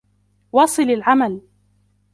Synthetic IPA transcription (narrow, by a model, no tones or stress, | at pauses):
wɑːsˤɨlalʕamal